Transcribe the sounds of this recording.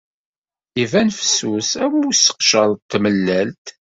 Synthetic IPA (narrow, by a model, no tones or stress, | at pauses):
ivænfə̥susæwisə̥qʃəɾˤt̪ːməlːælt̪